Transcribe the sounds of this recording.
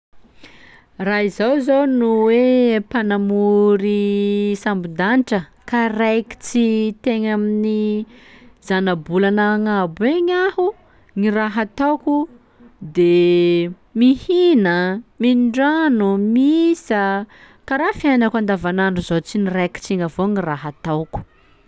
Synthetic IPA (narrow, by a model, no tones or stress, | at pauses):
raizawzownuwepanamuɾisambud̪aniʈ͡ʂəkarajki̥t͡sit̪eɲamini | z̥anabulanaŋabueɲahu | ŋiraɦat̪awku | d̪e | mihinəmiɖ͡ʐanumisə | kaɾafianakand̪avanaɳɖ͡ʐuzot͡sinirajki̥t͡siŋəvoŋiraɦat̪awku̥